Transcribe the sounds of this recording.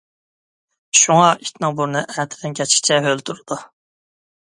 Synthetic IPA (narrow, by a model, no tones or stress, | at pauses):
ʃuŋɑit̪ʲnɨŋbuɾnɨʔæt̪ʰɪd̪ɪnkʲʰɛt͡ʃkʲi̥t͡ʃʰɛɦølt̪ʰuɾɨd̪̥u